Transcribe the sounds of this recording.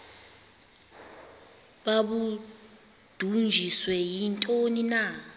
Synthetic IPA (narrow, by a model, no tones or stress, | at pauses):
ɓaɓu | d̥ʱund͡ʒʱiswɛjintʼonina